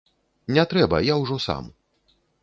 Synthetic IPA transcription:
nʲɛt̪ɾɛbɐ̰jawʐɔsa̰m

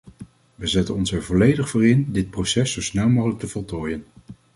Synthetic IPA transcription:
ʋəzɛtənɔnsɛɹvɔlejdəχfoːrɪndɪt̚prowsɛsowsnɛlˠmowχələk̚təvɔlˠtoːjən

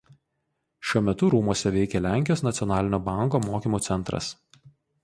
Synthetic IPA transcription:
ʃʲuɔmʲɛt̪ʊɾuːmuɔsʲɛʋʲɛɪkʲɛlʲæˑŋʲkʲɪjoːsnɐt̪sʲɪɔnɑːlʲɪnʲoːbɑˑŋˑkoːmoːkʲiːmuːt̪ʲɛnt̪ɾɐ̰s

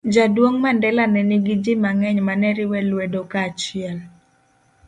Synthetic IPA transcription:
d͡ʒadwoŋmandɛlanɛniɡid͡ʒimaŋɛɲmanɛɾɪwɛlwedokat͡ʃɪɛl

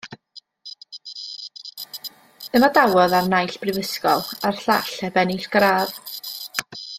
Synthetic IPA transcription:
əmadawɔðarnajɬb̥rɪvəskɔlˠarɬa̰ɬɛbɛniɬɡ̥ɾaːð

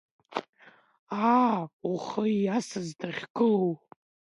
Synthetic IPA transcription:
auχəiasɨzdʰaʁʲɡɨw

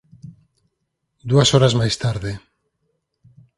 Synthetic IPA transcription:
d̪uasoɾazmajst̪aɾðɪ

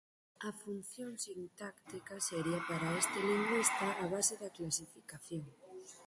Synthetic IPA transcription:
afunθjoŋsint̪akt̪ikɐseɾiɐpaɾaest̪eliŋɡwist̪ɐʔaβaseðɐklasifikaθjoŋ

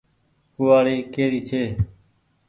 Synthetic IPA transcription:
kʊːaːɽiːkeːɾiːt͡ʃʰeː

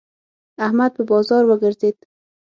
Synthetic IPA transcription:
ahmad̪̚bəbɒzɒɾwəɡaɾzid̪

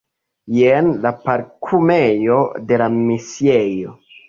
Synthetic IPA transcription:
jenlapaɾkʰume̞jo̞de̞lamisie̞jo

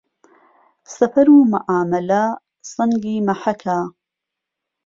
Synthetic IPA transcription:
sɐfɐɾuːmaʔaːmɐlɐ | sɨŋɡiːmɐħɐkʰa

